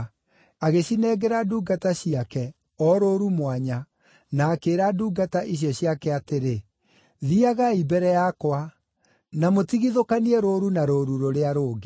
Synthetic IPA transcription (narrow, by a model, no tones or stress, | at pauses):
aɣeɕinɛɡɛɾaduːɡataɕiakɛ | ɔɾoːɾumwaɲa | naːkeːɾaduːɡataʔiɕ̬jɔɕjakɛateɾe | ðiaɣaibɛɾɛjakwa | namotiɣiðokaniɛɾoːɾunaɾoːɾuɾoɾeaɾoːɡe